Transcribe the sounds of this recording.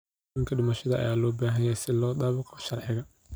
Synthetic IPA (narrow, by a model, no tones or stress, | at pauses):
ɪŋkʰɐɖɪmɐʃɐðɐʔɐ̰jaːlɔːbaːɦɐjɛjsɪlɔːd̪aːβɑqɔ̥ʃɐrħɪɣɐ